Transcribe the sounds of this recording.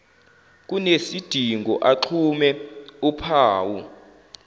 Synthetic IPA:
k̬ʼunesid̥ʱiŋɡʱɔ̰ʔaǁʰumɛupʰaːwu

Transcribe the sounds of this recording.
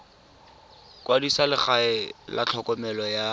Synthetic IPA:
kʼwadisalɪχaɪla̰t͡ɬʰɔkʼɔmɛlɔja

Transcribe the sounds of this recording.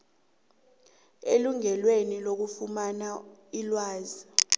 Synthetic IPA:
eluŋɛlwenilok̬ufumanailwaːzi

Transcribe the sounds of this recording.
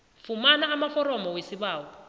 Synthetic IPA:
fumanaːmafɔɾɔmɔwesiβaːwɔ

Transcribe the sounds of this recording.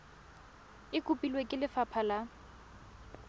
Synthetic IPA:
ɪkʼʊpʼilwekʼɪlɪfapʰala

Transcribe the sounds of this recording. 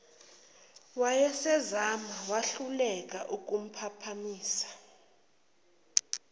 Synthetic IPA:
wajɛsɛzamawaɬulɛk̬ʼaʔuk̬ʼum̩pʰapʰamiːsḁ

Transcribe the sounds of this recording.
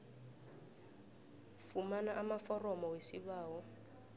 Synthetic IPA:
fumanaʔamafɔrɔmɔwesiβaːwɔ

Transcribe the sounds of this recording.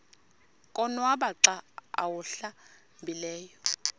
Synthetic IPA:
kʼɔnwaɓaǀaa̰wuɬa | mbilɛːjɔ

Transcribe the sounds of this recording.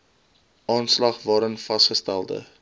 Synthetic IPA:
ʔɑːnslɐχvɑːɾənfɐstχəstælˠdə̰

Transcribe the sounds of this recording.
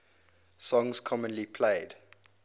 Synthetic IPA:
sɔ̃ŋskʰɔmə̃nlipʰleɪd

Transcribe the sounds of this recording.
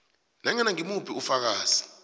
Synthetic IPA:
naŋɛnaŋimupʰiufak̬aːzi̥

